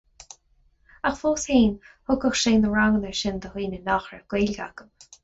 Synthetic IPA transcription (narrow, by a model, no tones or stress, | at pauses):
axfoːshiːnhʊkəxʃeːnd̪əɹaŋənəɹʃɪnd̪əhwiːnənɔxɹəɡ̥weːlɡa̰ɡəm